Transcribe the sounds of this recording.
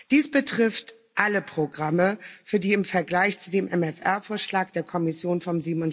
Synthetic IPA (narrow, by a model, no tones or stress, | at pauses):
d̥iːsb̥ətʁ̥ɪft | ʔaləpʁ̥oɡʁaməfyːɐdiːɪmfɛɐɡlaɪçt͡sudeːmʔɛmɛfʔɛɐfoːɐʃlaːk̚d̥eːɐkʰɔmɪsjoːnfɔmziːbmʊn